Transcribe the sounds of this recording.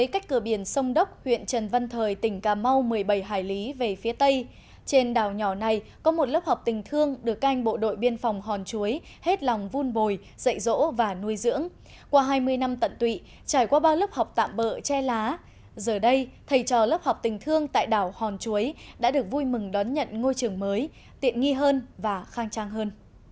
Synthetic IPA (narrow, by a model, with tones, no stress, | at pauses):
əː˨˦jka˦˥k̟̚kɨ˧˩əɓi˧˩ənsə˧wŋ͡mɗə˦˥k͡p̚hwḭ˧˨ənt͡ɕə˨˩nva˧nt̪ʰəː˨˩jt̪ï˧˩ŋ̟kaː˨˩mːa˧wmɨ˨˩əjɓə˧˩jɦaː˧˩jli˨˦ve˨˩fi˨˦ət̪ə˧j | t͡ɕe˧nɗaː˧˩wɲɔ˧˩na˨˩jkɔ˨˦mo˨˩t̚lə˦˥p̚ha˨˩wk͡p̚t̪ï˨˩ŋ̟t̪ʰɨ˧əŋɗɨ˨˩ək̚ʔa˧jŋ̟ɓo̰˧˨ɗo̰˧˨jɓi˧ənfɔ˨˩wŋ͡mɦɔ˨˩nt͡ɕu˨˦əj | he˦˥t̚lɔ˨˩wŋ͡mvu˧nɓo˨˩j | zə̰˧˨jzo̰˧˥vaː˨˩nu˧əjzɨ̰˧˥əŋ | kwaː˧ɦaː˧jmɨ˧əjna˧mt̪ə̰˧˨nt̪wḭ˧˨ | t͡ɕaː˧˩jkwaː˧ɓaː˧wlə˦˥p̚ha˨˩wk͡p̚t̪a̰ː˧˨mɓə̰ː˧˨t͡ɕɛ˧laː˨˦ | zəː˨˩ɗə˧jt̪ʰə˧˩jt͡ɕɔ˨˩lə˦˥p̚ha˨˩wk͡p̚t̪ï˨˩ŋ̟t̪ʰɨ˧əŋt̪a̰ː˧˨jɗaː˧˩whɔ˨˩nt͡ɕu˨˦əjɗa̰ː˧˥ɗɨ˨˩ək̚vu˧jmɨ˨˩ŋɗɔ˨˦nɲə̰˧˨nŋo˧jt͡ɕɨ˨˩əŋməː˨˦j | t̪ḭ˧˨ənŋi˧ɦəː˧nvaː˨˩xaː˧ŋt͡ɕaː˧ŋɦəː˧n